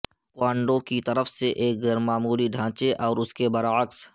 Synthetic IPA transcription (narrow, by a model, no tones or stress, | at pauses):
kwaːɳɖõkit̪ɐɾəfseʔeːk̚ɡɐɾmaːmuːliɖʱãːt͡ʃeʔɔːɾʊskebɐɾaːəks